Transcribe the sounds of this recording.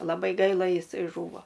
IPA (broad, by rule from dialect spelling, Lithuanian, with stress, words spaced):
lˠɐˈbɐɪ ˈɡɐɪlˠɐ jɪˈsɐɪ ˈʒuːʋoː